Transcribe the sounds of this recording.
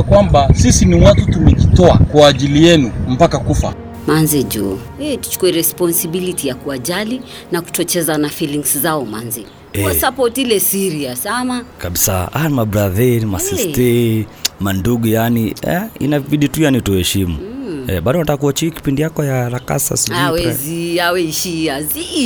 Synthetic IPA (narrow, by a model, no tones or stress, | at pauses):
akwambasisinimwatutumɛkitɔakwaːʄilijɛnum̩pakakufa | manzɛd͡ʒṵ | ɛtu̥t͡ʃu̥kuɛɾɛspɔnsibilitijakuaʄali | naku̥tɔt͡ʃɛzanafiliŋszaɔmanzɛ | ɛwasapɔtilɛsiɾiasamakaɓisaamabɾaðɛɾimasistɛ | manduɡɔjaniɛ̰ḭnaviɗitujanituhɛʃimṵɛɓaɗɔwnatakuɔt͡ʃiki̥pindijakɔjaɾaka̰sa̰siwɛɛziawɛiʃiazi